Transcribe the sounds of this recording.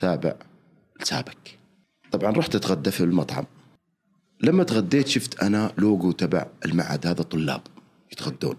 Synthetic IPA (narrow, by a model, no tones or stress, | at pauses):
saːbɪ̰ʕ | lsa̰ːbɪk | t̪ˤɑbʕɑnˤɑːħt̪ɪt̪ɣad̪ːafilmɑt̪ˤʕɑ̰m | lamːat̪ɣad̪ːeːt̪ʃɪft̪ʔanaloːɡut̪aba̰ʕɪlmaʕa̰ːd̪haːðat̪ˤːʊlːɑ̰ːb̥ | jɪt̪ɣad̪ːṵːn